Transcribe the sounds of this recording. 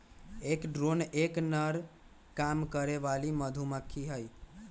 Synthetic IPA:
ekɖɾoneknəɾ | kamkəɾeʋaliməd̪ʱuməkʰːiɦəj

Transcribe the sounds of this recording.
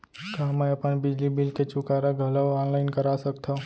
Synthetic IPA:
kaɦməjəpənbɪd͡ʒlibɪlket͡ʃʊkaɾaɡʱələwɔnlaɪnkəɾasəkt̪ʰa

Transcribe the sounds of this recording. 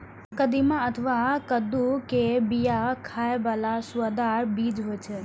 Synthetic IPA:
kəd̪imãət̪ʰəʋakəd̪ukebijakʰajeʋalasuad̪aɾbid͡ʒɦojt͡ʃʰe

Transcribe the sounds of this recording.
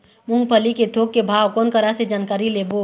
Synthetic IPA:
mʊ̃ŋɡpʰəliket̪ʰoːk̚ːebʱaːwkɔːnkəɾased͡ʒaːnkaːɾileːbo

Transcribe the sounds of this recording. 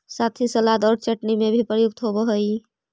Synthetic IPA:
sat̪ʰisəlad̪ɔːɾt͡ʃəʈnimebʱipɾəjuk̚t̪ɦobɔɦəj

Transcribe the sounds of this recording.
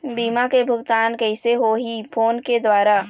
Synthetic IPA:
biːmakebʱʊɡt̪aːnkɛɪseɦoɦipʰoːnked̪waːɾa

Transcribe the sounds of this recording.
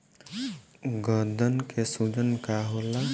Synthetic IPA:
ɡəd̪ʱənkesud͡ʒənkaɦola

